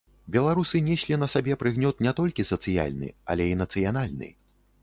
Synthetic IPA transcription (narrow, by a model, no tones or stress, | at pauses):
bʲɛlˠaɾusɨnʲɛsʲlʲinɐsabʲɛpɾɨɣnʲɔt̪nʲɛt̪ɔlʲkʲisɐt̪sɨja̰lʲnɨ̰ɐ̰lʲɛinɐt̪sɨjan̪alʲnɨ̰